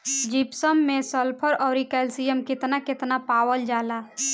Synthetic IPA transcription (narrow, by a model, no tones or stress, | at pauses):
d͡ʒipsəmːesəlpʰəɾɔːɾikɛlsijəmkɪt̪nakɪt̪napawəld͡ʒala